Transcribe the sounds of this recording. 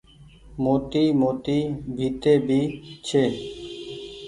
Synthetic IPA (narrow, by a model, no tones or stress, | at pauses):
moːt̪iːmoːt̪iːbʱiːt̪eːbiːt͡ʃʰeː